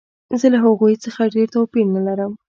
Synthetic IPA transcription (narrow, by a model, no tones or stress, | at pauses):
zəlaɦaɣujt͡səxaɖeɾt̪owpiɾnalaɾəm